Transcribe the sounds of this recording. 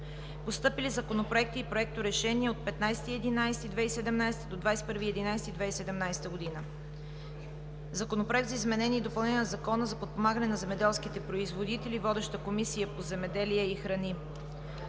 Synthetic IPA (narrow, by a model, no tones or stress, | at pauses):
post̪ɤpilizɐkonopɾoɛk̚t̪iːpɾoɛk̚t̪oɾɛʃɛniɛot̪̚pɛt̪najsɛt̪iɛd̪inajsɛ̥t̪id̪vɛisɛd̪ɛmnajsɛ̥t̪əd̪od̪vajspɤɾviɛd̪inajsɛt̪id̪vɛisɛd̪ɛmnajsɛt̪əɡod̪inə | zɐkonopɾoɛk̚t̪zəizmɛnɛnʲiːd̪opɐlˠnɛnʲənɐzɐkɔnəzɐpot̪̚pomaɡənɛnɐzɛmɛd̪ɛlˠskit̪ɛpɾoizvod̪it̪ɛlivɔd̪ɛʃt̪əkomisijəpozɛmɛd̪ɛliɛixɾɐni